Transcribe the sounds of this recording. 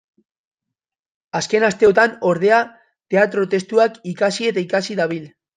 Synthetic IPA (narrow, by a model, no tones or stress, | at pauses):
aske̞nast̪e̞o̞t̪ano̞ɾð̞e̞a | t̪e̞at̪ɾo̞t̪e̞st̪uakikasie̞t̪aikasiðaβ̞il